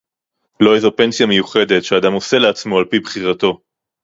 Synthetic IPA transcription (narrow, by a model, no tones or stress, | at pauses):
lo̞ezope̞nsijamejuχe̞d̪e̞tʃead̪amo̞se̞leat͡smo̞alpibχiʁat̪o̞